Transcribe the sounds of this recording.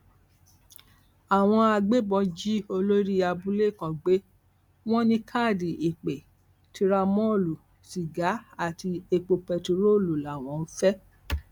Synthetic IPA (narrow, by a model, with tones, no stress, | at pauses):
a˨w̃ɔ̃˧a˧ɡ͡be˦bɔ̃˧d͡ʒi˦o˧lo˦ɾi˦a˧bu˦le˦˨kã˨ɡ͡be˨˦ | w̃ɔ̃˦nĩ˧kʰa˦˨di˨i˨k͡pe˨ | tʰi˧ɾa˧mɔ̃˦o˦˨lu˨ | ʃi˨ɡa˨˦a˦˨ti˧e˧k͡po˧pɛ˧tu˧ɾo˦˨lu˨la˨w̃ɔ̃˨˧n̩˦fɛ˦